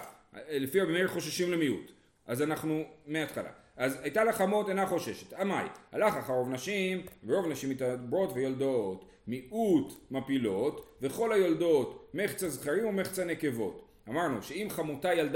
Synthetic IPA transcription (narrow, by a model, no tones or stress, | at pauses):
lefiabemeχo̞ʃaʃimlemiut̪ | ʔazanaχnumeat̪χala̰ʔazajtalaχamo̞tenaχo̞ʃe̞ʃet̪amajha̰laχaχaʁo̞vnaʃimveʁo̞vnaʃimitabʁo̞tvejoldot | miʔutmapilo̞tveχo̞lajoldo̞tmeχt͡shazχaʁimume̞χt͡shaneke̞vo̞̰t | amaʁnṵʃe̞imχamotajald